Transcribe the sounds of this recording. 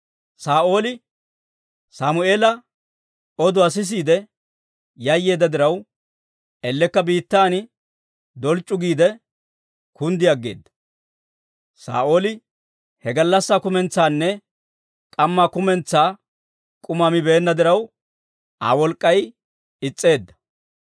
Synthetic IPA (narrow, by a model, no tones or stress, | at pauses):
saːʔo̞ːlɪ | samʊe̞ːlɐ | ɔd̪ʊɐs̬ɪs̬iːd̪ɛ | jɐjːe̞ːd̪ːɐd̪ɪɾɐw | ɛlːɛkːɐbiːt̪ːaːn | d̪ɔlt͡ʃʼːʊɡiːd̪ɛ | kʊnd̪ɪɐɡːḛːd̪ːɐ | sa̰ːʔoːlɪ | hɛɡɐlːɐsːaːkʊmɛnt͡sːaːnːɛ | kʼɐmːaːkʊmɛnt͡sːaː | kʼʊmamɪbe̞ːnːɐd̪ɪɾɐw | ʔa̰ːwɔlkʼːɐj | ɪt͡sʼːe̞ːd̪ːɐ̥